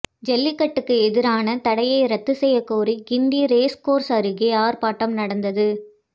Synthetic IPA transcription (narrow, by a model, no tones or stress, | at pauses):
d͡ʒɛlːɪkːɐʈːɯkːɯɛðɪɾaːnɐt̪ɐɽɐjɐɪɾɐt̪ːɯsɛjːɐkːoːɾiɡɪnd̪iɾeːskoːɾsɐɾɯɣeaːɾpaːʈːɐmnɐɽɐnd̪ɐðɯ